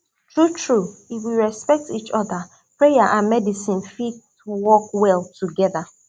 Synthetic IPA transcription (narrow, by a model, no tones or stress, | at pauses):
tɹutʰɹuifwiɹɛspɛk̚tit͡ʃɔða | pɹejaʔãnmɛdisĩnfit | wɔkwɛlˠtuɡɛða